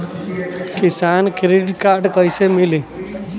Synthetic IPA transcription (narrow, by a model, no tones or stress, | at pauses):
kɪsaːnkɾɪɖkaːɾɖkəɪsemɪliː